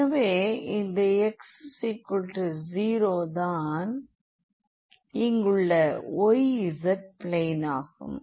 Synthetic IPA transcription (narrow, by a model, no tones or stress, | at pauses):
ɐʋeːɪnd̪ɐɛkssiːkːʊlʈɯziːɾoːd̪aːn | ɪŋɡɯɭːɐɔjɪzɐʈ̚pɭeːnaːɣɯ̰m